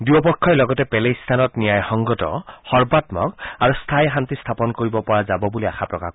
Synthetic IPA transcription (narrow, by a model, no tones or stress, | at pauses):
duwɔpɔkʰːɔlɔɡɔtɛpɛlest̪ʰanɔtnijajxɔŋɡɔtɔ̰xɔɹbatmɔ̰kaɹust̪ʰajɦantist̪ʰapɔnkoɹibɔpɔɹazabɔbuliaxapɹɔka̰